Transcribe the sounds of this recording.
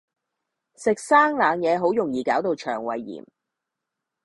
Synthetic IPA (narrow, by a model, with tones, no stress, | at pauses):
sɪ˨k̚saː˥ŋlaː˨ŋjɛː˨˧ɦo˨˥wjʊ˨˩ŋjiː˨˩kaː˨˥wt̪o˧wt͡ʃʰœː˨˩ŋwɐ̰˨˧jːḭː˨˩m